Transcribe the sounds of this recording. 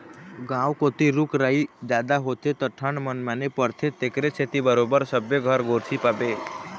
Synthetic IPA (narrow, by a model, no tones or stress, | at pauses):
ɡãwkot̪iɾukɾaid͡ʒad̪aɦot̪et̪ɔʈʰəɳmənmanepəɾt̪ʰet̪ekɾet͡ʃʰet̪ibəɾobəɾsəbjeɡʱəɾɡoɾsʰipabe